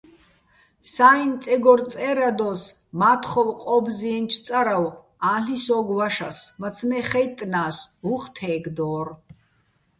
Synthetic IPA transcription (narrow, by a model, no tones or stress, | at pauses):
saːint͡s̪ʼɛɡɔɾt͡sʼɛɾad̪ɔs | maːt̪ʰχɔwqʼɔbziɛnt͡ʃʰt̪sʼaɾaw | aːɬisɔːɡwaʃa̰smat̪t͡sʰmɛχɛjt̪ʼnaːsuχt̪ʰɛːɡd̪ɔːr